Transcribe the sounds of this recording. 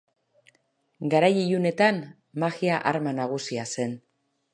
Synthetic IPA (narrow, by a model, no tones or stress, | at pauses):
ɡaɾajijune̞t̪an | maɣiaʔaɾmanaɣ̞usiase̞n